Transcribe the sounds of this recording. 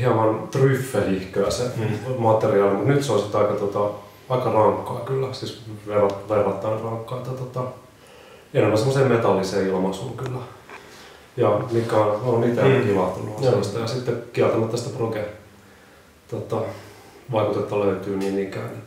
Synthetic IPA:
hiɑmɑnt̪ryfːeihkøæsemɑt̪eriɑːlimut̪nyt̪seolsit̪ːɑikɑt̪ot̪ɑ | ɑikɑrɑŋkːɑːkylːæsiːsʋerɑʋerːɑt̪ːɑinrɑŋkːɑːet̪ːæt̪ot̪ɑ | enemːænsemːˑoseːmmet̪ɑlːiseːilmɑsuŋkylːæ | jɑmikːæononit̪ekilɑt̪ːunːuɑsest̪ɑjɑsit̪ːekiælt̪ɑmæt̪ːɑsi̥t̪ːeproke | t̪ot̪ɑ | ʋɑikut̪et̪ːɑløyt̪yːniːnikæːne

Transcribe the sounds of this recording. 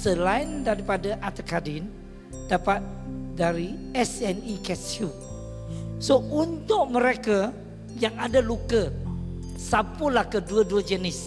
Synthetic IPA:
səlaindaɾipadaʔat̪əkadɪn | dapat̪̚ | daɾiɛsɛnikɛsu | sount̪ʊʔ̚məɾeka | jaŋadalukə | sapʊlahkəduəduəd͡ʒənɪs

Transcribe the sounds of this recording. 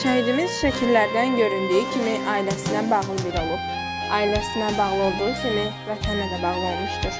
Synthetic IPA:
ʃæhid̪imiz̥ʃæcʰilːæɾd̪ænɟø̞ɾynd̪yicʰimiʔɑːilæsinænbɑʁlˠɯbiɾo̞lˠup̚ | ɑːilæsinæbɑʁlˠɯo̞lˠd̪usimi | væt̪ʰænlæd̪æbɑʁlˠɯo̞lˠmɯʃt̪ɯɾ̥

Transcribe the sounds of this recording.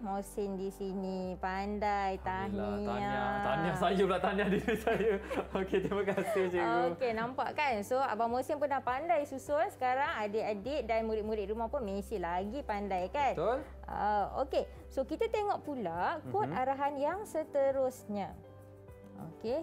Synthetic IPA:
mosɪndisinipandajt̪aniaaanasajulaʔt̪anahdiisajuoket̪ɾimakasɪhsiokenãmpa̰ʔkansoa̰bamõsɪmpərnahpandajsusɔnsə̥kaɾaŋadəadɪt̪̚danmuɾɪt̪̚muɾɪt̪ʔ̪̚ɾumahpʊnmẽsilaɡipandajkant̪ol | ə̰o̰ke | sokit̪at̪eŋɔʔpulakɔt̪aɾaɦanjaŋsət̪əɾʊsɲã | o̰ke

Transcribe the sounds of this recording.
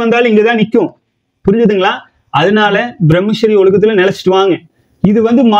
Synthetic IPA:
ɐnd̪aːlɪŋɡet̪ãːnɪkʲːõ | pʊɾɪɲd͡ʒɐðɯŋɡɐɭaː | ɐðɐnaːlɐbɪɾɛmːɪʂɐɾiɔɭɯɣɐt̪ːɪlɐnɛlɐt͡ʃːɪ̥ʈːɯʋaːŋɡɐ | ɪðɯʋɐnd̪ɯma

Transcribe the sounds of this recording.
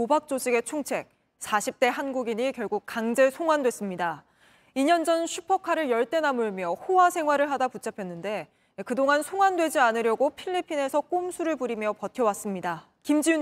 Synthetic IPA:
obak̚t͡ɕ͈oɕʰiɡe̞t͡ɕʰuŋt͡ɕʰe̞k̚ | sʰaɕʰip̚t͈e̞ɦanɡuɡiɲikjʌɭɡuk̚kaŋd͡ʑe̞sʰoŋwandwe̞s͈ɯmɲida | iɲʌnd͡ʑʌnɕʰupʰʌkʰaɾɯɭjʌɭt͈e̞namuɭmjʌhowasʰe̞ŋɦwaɾɯɭɦadaput͡ɕʰapʰjʌnːɯnde̞ | kɯdoŋansʰoŋwandwe̞d͡ʑianɯɾjʌɡopʰiʎːipʰine̞sʰʌk͈omsʰuɾɯɭpuɾimjʌpʌtʰjʌwas͈ɯmɲida | kimd͡ʑiu

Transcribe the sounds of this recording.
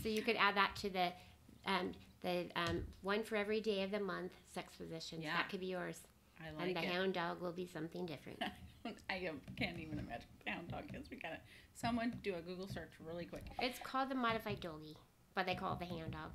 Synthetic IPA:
soʊjɨkɨɾæd̪̚ðətʰɨðɨ | ʔʌ̃mðɨʌ̃mwʌ̃nfə˞ɛvɹideɪʌvðɨmʌ̃nθsɛkspɨzɪʃɨ̃nðɨt̚kʰɨd̚bijɔɹz̥ | aɪlɨ̃nðɨɦæ̃ʊ̃ndɔɡwɪlˠbisʌ̃mθɪ̃ŋdɪfɹɨ̰̃ntaɪoʊ̃naɪkʰæ̃ntivɨ̃nɨmæ̰d͡ʒn̩ðɨhãʊ̃ndɔ̰ɡ̚ɨ̃zwikɨnɨt̚ | sʌ̃mwʌ̃ndɨɨɡuɡl̩ˠsɜ˞t͡ʃɹɪlˠikʰw̥ɪkɨtskʰɔlˠd̪̚ðɨmɑɾɨfaɪdoʊlˠɡi | b̥ʌt̪̚ðeɪkʰɔ̰lˠd̪̚ðɨɦãʊ̃ndɔ̰ɡ̥

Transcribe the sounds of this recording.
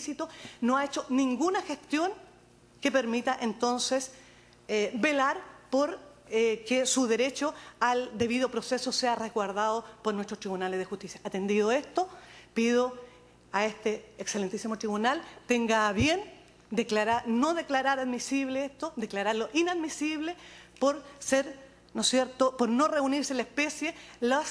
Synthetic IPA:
sit̪onoaet͡ʃonĩŋɡunaxest̪jo̞ŋ | kepe̞ɾmit̪aʔent̪o̞nses | be̞laɾpoɾ | kesuðe̞ɾet͡ʃoald̪e̞βiðopɾoseso̞seareɣwaɾðaðopoɾnwest̪ɾot̪ɾiβunalezðexut̪isjaʔat̪e̞nd̪iðoest̪opið̞o | aest̪eːkselent̪isimo̞t̪ɾiβunalt̪eŋɡaβje̞n | d̪eklaɾaɾnoðeklaɾaɾaðmisiβleest̪od̪eklaɾaɾloʔinaðmisiβlepoɾseɾ | nosjeɾt̪opoɾnoreuniɾselaespe̞sjelas

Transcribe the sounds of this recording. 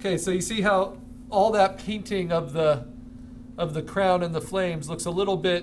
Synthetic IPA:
kʰeɪsoʊjɨsiɦaʊ | ɔlˠðɨt̚pʰẽɪ̃ntʰɪ̃ŋʌvðə | ʌvðɨkʰɹ̥ãʊ̃nɨ̃nðəflẽɪ̃mzlʊksəlɪɾl̩ˠbɪt̚

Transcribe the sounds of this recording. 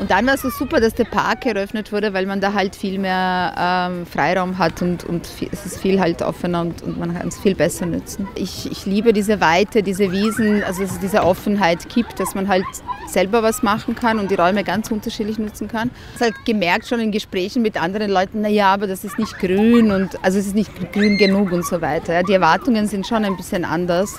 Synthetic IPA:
ʔʊnt̚d̥anvaːɐsz̥oːz̥uːpɐdasd̥eːɐpʰa̰ɐk̚ɡəɐʔœfnətv̥ʊɐɾəvaɪlmandaːɦaltfiːlmeːɐʔɛmfʁ̥a̰ɪʁaʊmɦatʰʊntʊ̰ntfiːɛsɪstfiːlɦaltʔɔ̰fənɐʊntʊ̰ntmankʰa̰nsfiːlbɛsɐnʏ̰t͡sn̩ʔɪçɪ̰çliːbədiːzəvaɪtədiːzəviːzn̩ʔa̰lzod̥as̬ɛsd̥iːzəʔɔfn̩ɦaɪtɡ̥iːptd̥asmanɦaltz̥ɛlbɐvasmaχn̩kʰanʊnt̚d̥iːʁɔʏməɡant͡sʔʊntɐʃiːdlɪçnʏt͡sn̩kʰan | shaltɡ̥əmɛɐk̚tʃoːnɪnɡəʃpʁ̥ɛːçn̩mɪtʔandəʁənlɔʏtn̩nːajaːaːbɐdasɪstnɪçt̚ɡ̥ʁyːnʊntʔʔalzoɛs̬ɪstnɪçtɡ̥ʁyːnɡənuːkʊntz̥oːvaɪtɐjaːdiɛɐvaɐtʊŋənzɪntʃoːnaɪnbɪsçənʔa̰ndɐs

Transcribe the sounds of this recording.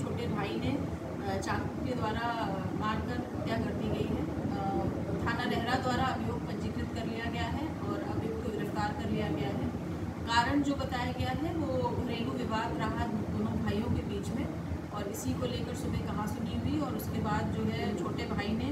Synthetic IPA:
t͡ʃʰoːʈebʱaːinẽ | t͡ʃãː | ked̪waːɾa | baːɽkɐɾ | t̪jakɐɾt̪iɡɐiɦɛ | t̪ʰaːnaɾɛɦɾad̪waːɾaɐbjoːɡ̚pɐ̃nd͡ʒɪɡɾɪt̪kɐɾlijaɡɐjaɦɛ | ɔːɾɐbjoːɡ̚kod̪ɪɾɐft̪aːɾkɐɾlijaɡɐjaɦɛ | kaːɾəɽ̃d͡ʒoːbɐt̪aːjaɡɐjaɦɛʋoːnɾeːluʋɪʋaːd̪ɾɐɦad̪oːnobʱaːjõkebiːt͡ʃmẽ | ɔːɾɪsikoleːkəɾsʊbʱekɐɦãsʊniɦʊiɔːɾʊskebaːd̪̚d͡ʒoːɦɛt͡ʃʰoːʈebʱaːinẽ

